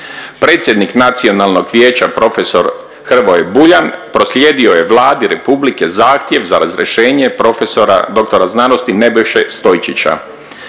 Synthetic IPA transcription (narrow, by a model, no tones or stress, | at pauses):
pɾe̞ːt̪sʲje̞d̪niknat̪sio̞nalno̞ɡʋjeːt͡ɕapɾo̞feso̞ɾ | xr̩ʋojebuʎanpɾo̞slʲje̞ːd̪io̞je̞ʋlˠaːd̪iɾe̞publike̞zaːxt̪je̞ʋzaɾazɾiḛʃe̞ːɲe̞pɾo̞fe̞so̞ɾa̰d̪o̞k̚t̪o̞ɾaznaːno̞st̪ine̞bojʃe̞st̪o̞jt͡ɕit͡ɕa̰